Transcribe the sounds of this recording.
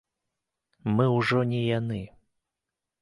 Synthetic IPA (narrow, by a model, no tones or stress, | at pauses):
mɨwʐɔnʲɛjanɨ